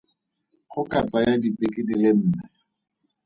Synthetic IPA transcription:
χʊkʼat͡sʼajadipʼɪkʼɪdilɪn̩ːnɛ

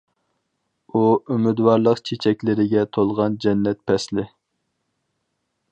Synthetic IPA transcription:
uymɪd̪wɑɾlˠəqt͡ʃʰet͡ʃʰɛkʲlɪɾɪɡʲɛt̪ʰolˠʁɑnd͡ʒɛnːɛt̪̚pʰɛslɪ

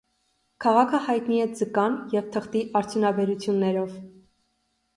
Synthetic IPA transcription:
kʰɑʁɑkʰəhɑjt̪niɛd͡zəkɑnjɛvt̪ʰəχt̪iʔɑɾt͡sʰjunɑbɛɾut͡sʰjunːɛɾɔv

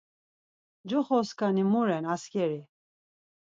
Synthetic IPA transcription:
d͡ʒɔχɔskanimuɾɛnaskɛɾi

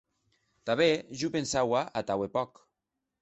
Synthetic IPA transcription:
t̪aβeʒupensawaʔat̪awepɔk

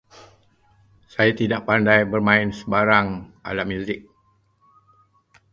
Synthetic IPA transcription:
sajat̪idaʔpandajbərmãɪnsəbaɾaŋʔa̰lamjuzɪk̚

